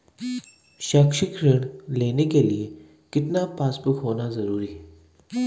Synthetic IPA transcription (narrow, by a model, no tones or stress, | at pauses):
ʃakʃɪkɾɪɳ̃leːnekelie | kɪt̪napaːsbʊkɦoːnazɐɾuːɾiɦɛ